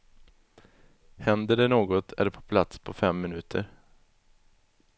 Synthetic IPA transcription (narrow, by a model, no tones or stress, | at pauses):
hɛnd̪əɖɛnoːɡɔt̪ʰæ̰ɖɛpʰɔ̥pʰlat̪spʰɔfɛmːɪnʉ̟ːt̪ʰəɾ